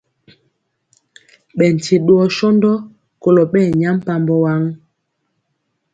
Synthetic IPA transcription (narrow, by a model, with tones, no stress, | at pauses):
ɓɛ˨n̩˨tʰi˨ɗwɔ˦ʃɔ˦ndɔ˦ | ko˨lɔ˨ɓɛː˦˨ɲa˦m˦pa˦mbɔ˦wa˦ŋ